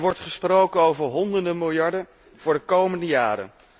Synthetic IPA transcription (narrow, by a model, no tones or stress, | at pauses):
ʋɔɹtχəsprowkənowvəɹɦɔndəndəmɪlˠjɑɹdə | v̥ʊːɹdəkowməndəjaːɾə̰n